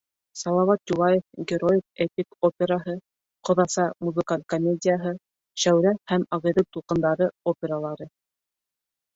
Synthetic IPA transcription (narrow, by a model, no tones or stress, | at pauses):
sɑlˠɑwɑt̪̚julˠɑjefɡʲɪɾojketʲikopʲeɾaɦɤ | qŏðɑsɑmuzɨkalʲkomʲedʲɪjaɦɤ | ʃæwɾæhæmɑʁɤ̆ðɤw̚t̪ulˠqɤ̆nd̪ɑɾɤopʲeɾalˠɑɾɤ